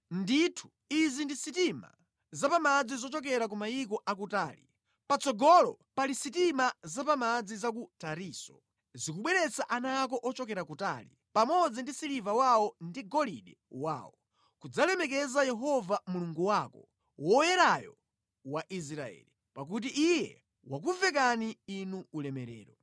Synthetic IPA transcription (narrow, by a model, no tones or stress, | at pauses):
nditʰu̥ | izindisitima̰ | zapamad͡zizɔt͡ʃɔk̬ɛɾak̬umaikɔʔak̬utaːlḭ | pat͡sɔɡɔlɔpalisitimazapamad͡zizak̬utaɾiːsɔ | zikuɓwɛɾɛt͡saʔanak̬ɔʔɔt͡ʃɔkɛɾakuta̰ːlḭ | pamɔd͡zindisilivawaɔndiɡɔliɗɛwa̰ːwɔ | kud͡zalɛmɛk̬ɛzajɛɦɔvamuluŋɡuwakɔ̰ | wɔjɛɾajɔ̰ | waʔis̬ɾaɛ̰ːli | pak̬ut̬iʔijɛ | wak̬uvɛk̬aniːnuːlɛmɛɾɛ̰ːɾɔ